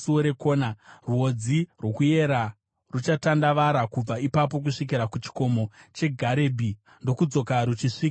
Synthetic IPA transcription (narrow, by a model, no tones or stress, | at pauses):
suoɾe̞ko̞ːnaruo̞d͡zirwo̞kuje̞ɾa | rut͡ʃatandaʋaɾakub͡vaipap̬o̞k̬uʂik̬iɾakut͡ʃi̥ko̞mo̞t͡ʃe̞ɡʱaɾe̞ːbʱi | ndo̞kud͡zo̞kaɾut͡ʃiʂiːka